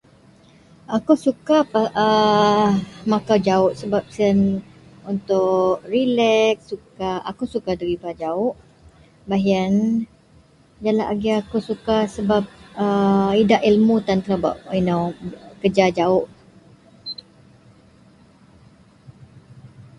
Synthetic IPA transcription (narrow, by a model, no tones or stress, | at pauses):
akusukapaə | makawd͡ʒaʊʔsəbap̚sənunt̪ʊʔrilɛksukaa̰kusukadəɾibad͡ʒaʊʔ | baɦən | d͡ʒalaʔaɡiakusukasəbap̚əidaʔilmut̪ant̪ɾaba̰ʔinawkəd͡ʒad͡ʒaʊʔ